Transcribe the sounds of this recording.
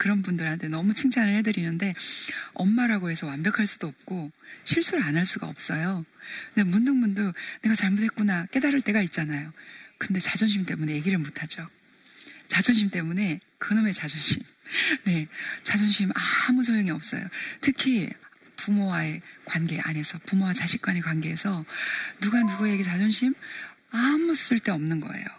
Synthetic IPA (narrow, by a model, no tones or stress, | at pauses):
kɯɾʌnbundɯɭɦhantʰe̞nʌmut͡ɕʰɯŋt͡ɕʰanɯɭhe̞dɯɾinɯnde̞ʌmːaɾaɡoɦe̞sʰʌwambjʌkʰaɭs͈ud̥oʌp̚k͈oɕʰiɭs͈uɾɯɭanɦaɭs͈uɡa̰ʌp̚s͈ʌjone̞mundɯŋmundɯne̞ɡat͡ɕaɭmotʰe̞t̚k͈unak͈e̞daɾɯɭt͈e̞ɡait̚t͡ɕ͈anajokɯnde̞t͡ɕad͡ʑʌnɕ̬ʰimt͈e̞mune̞je̞ɡiɾɯɭmotʰad͡ʑo | t͡ɕad͡ʑʌnɕʰimt͈e̞mune̞ | kɯnɯme̞t͡ɕad͡ʑʌnɕʰim | ne̞t͡ɕad͡ʑʌnɕʰimamus̬ʰojoŋiʌp̚s͈ʌ̰jo̰tʰɯkʰi | pumowae̞kwanɡe̞ʔa̰nɦe̞sʰʌpumowat͡ɕaɕʰik̚k͈wanekwanɡeɦesʰʌnuɡanuɡueɡet͡ɕad͡ʑʌnɕʰim | amuss͈ɯɭt͈e̞ʌmnɯnɡʌ̰e̞̰jo